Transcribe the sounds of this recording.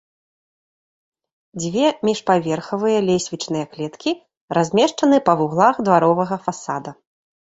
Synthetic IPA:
d͡zʲvʲɛmʲiʂpavʲɛrxɐvɨjɐlʲesʲvʲit͡ʂnɨjɐklʲɛt̪kʲi | razʲmʲɛʂt͡ʂɐnɨpɐvuɣlˠaxd̪vaɾɔvɐɣɐfasad̪ɐ

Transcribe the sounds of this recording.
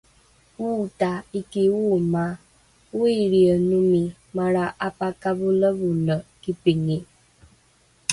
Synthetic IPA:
wutaikiwuma | wuiɾiənumi | maɾaʔapakaβuləβuləkipiŋi

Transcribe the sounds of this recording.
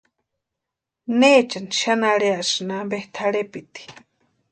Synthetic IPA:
net͡ʃanʃanaɺeasɨnambeht̪ʰaɽepit̪i̥

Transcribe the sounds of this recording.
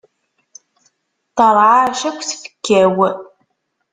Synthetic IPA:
t̪əɾˤʕaɾʃækʷθfə̥kːæw

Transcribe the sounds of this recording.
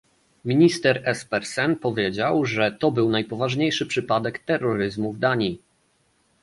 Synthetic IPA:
mʲiɲist̪ɛɾɛspɛɾsɛnpɔvʲjed͡ʑawʐɛt̪ɔbɘwnajpɔvaʐɲejʂɘpʂɘpad̪ɛkt̪ɛrːɔɾɘzmuvd̪aɲi

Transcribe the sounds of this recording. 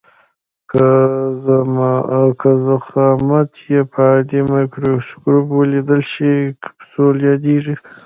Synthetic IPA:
ka | kʰazaxɑmat̪ʰjepʰad̪emajkɾoskɾubwəlid̪əlʃikpsoljɑd̪eʐi

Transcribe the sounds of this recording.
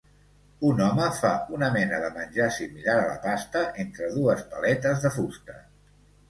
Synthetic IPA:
unɔməfaunəmɛnəðəmənʲʒasimilaɾələ̰past̪əʔent̪ɾəðuəspəlɛt̪əzðəfust̪ə

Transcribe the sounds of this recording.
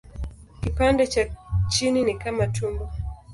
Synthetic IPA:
kipandɛt͡ʃat͡ʃininikamatʰumbɔ

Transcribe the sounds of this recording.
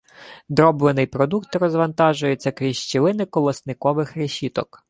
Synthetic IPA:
d̪ɾɔblˠenɪjpɾɔd̪ukt̪rɔzʋɐnt̪ɑʒʊjet͡sʲːɐkɾʲiʃt͡ʃilˠɪnɪkɔlˠɐsnɪkɔʋɪxɾeʃʲit̪ɔk

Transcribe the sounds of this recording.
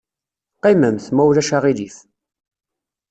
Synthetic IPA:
qiməmθmæwlæʃaʁiliθ

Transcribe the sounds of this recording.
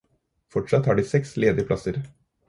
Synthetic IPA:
fɔʈʂɑt̪hɑːɖiːsɛksleːd̪ɪəpʰlɑ̰səɾ

